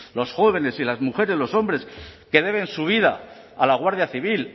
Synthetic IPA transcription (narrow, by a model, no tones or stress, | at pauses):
lo̞sxo̞βe̞ne̞silazmuxe̞ɾe̞zlo̞so̞mbɾe̞ske̞ðe̞β̞ẽ̞nsuβ̞iðaː | laɣ̞waɾð̞jaθiβ̞il